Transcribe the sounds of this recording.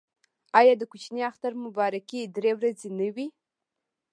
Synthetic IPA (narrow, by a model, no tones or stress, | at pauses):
ajadɨkʷʰʊt͡ʃʰniaχtʰarmubaɾakʰʲidrewrad͡zinɨɥi